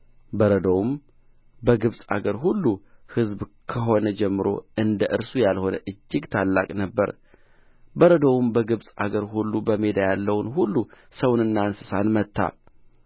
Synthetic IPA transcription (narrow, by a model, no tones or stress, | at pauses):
bəɾəd̪owm | bəɡɨβsʼa̰ɡəɾɦulːuhɨzbkʰəɦo̞nəd͡ʒɛmːɨɾo̞̰ɨnd̪əʔɨɾsujalho̞nə̰ʔɨd͡ʒːɪɡt̪ʰalːa̰kʼnəbːə̰ɾ | bəɾəd̪owumbəɡɨβsʼaɡəɾɦulːubəmed̪ajalːəwnhulːusəwnɨnːansɨsanmət̪ʰːa̰